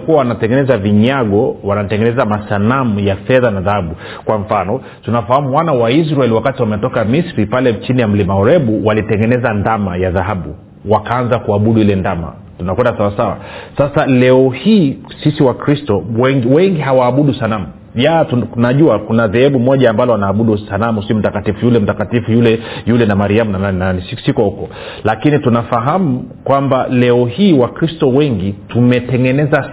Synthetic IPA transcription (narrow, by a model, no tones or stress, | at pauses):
kuawanatɛŋɡɛnɛzaviɲaɡɔwanatɛŋɡɛnɛzamasanamujafɛðanaðahaɓu | kwaɱ̩fanɔ | tunafahamuwanawais̬ɾaɛlwakatiwamɛtɔkamisɾipalɛt͡ʃinijam̩limaɔɾɛɓuwalitɛŋɡɛnɛzandamajaðaɦaɓu | wakaanzakuaɓuɗuilɛndama̰ | tunakwɛndasawasawa̰sasalɛɔhiːsisiwakɾistɔwɛŋɡiwɛŋɡiɦawaːɓuɗusalamu | jatunaʄuakunaðɛhɛɓumɔʄaːmbalɔanaːɓuɗusalamusim̩takatifujulɛm̩takatifujulɛjulɛnamaɾiamunananɛnanisisikɔhukɔ | lakinitunafaɦamukwambalɛɔhiːwakɾistɔwɛŋɡitumɛtɛŋɡɛnɛza